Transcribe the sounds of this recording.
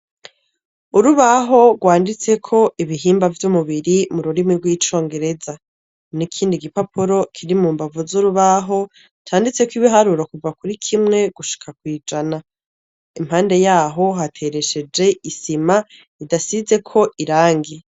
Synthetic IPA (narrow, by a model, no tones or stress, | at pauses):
uɾuβaɦo̞ɡwaːndit͡se̞kʰo̞ʔiβiɦiːmbavjumuβiɾimuɾuɾimiɾɡwiːt͡ʃo̞ːŋɡe̞ɾe̞za | nikʰiːndiɡipopuɾo̞kʰiɾimuːmbavuzuɾuβaɦo̞ | tʰaːndit͡se̞kwiβiɦaɾuɾakuvakuɾikʰimŋe̞ɡ̥uʃi̥kʰak̚wiːd͡ʒana | imhaːnde̞jaːɦo̞ɦatʰe̞ɾe̞ʃe̞d͡ʒe̞isima | idasize̞kʰo̞ʔiɾaːŋɡi